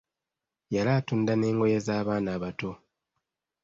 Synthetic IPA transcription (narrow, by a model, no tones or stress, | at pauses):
jalaːtundane̞ːŋɡo̞jezaːβaːnaːβato̞